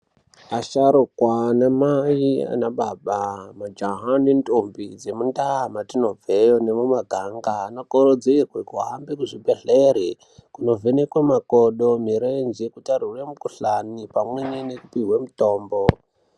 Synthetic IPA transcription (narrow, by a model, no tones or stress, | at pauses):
aʃaɾukwanamaia̰naɓaɓamad͡ʒaɦanentʼombid͡ze̞mundamatino̞vejonemumaɡʱaŋɡaːnokoɾod͡zirwekuɦambikuʐibeɮeɾe | kuno̞venekwemakoɗomiɾend͡ʒekutaruremukuɬanipamwenenekupiɦwe̞mutoːmbo